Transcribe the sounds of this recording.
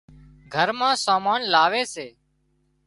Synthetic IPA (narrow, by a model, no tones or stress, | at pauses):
ɡʱəɾmãːsaːmaːnlaːʋeːseː